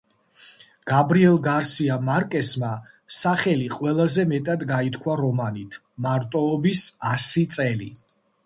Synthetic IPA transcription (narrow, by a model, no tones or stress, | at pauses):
ɡ̥abɾiɛlˠɡaɾsiamaɾkʼɛsma | saχɛliqʼwɛlˠazɛmɛt̪ʼad̪ɡait̪ʰkʰwaɾɔmanit̪ʰ | maɾt̪ʼɔːbisasit̪sʼɛlḭ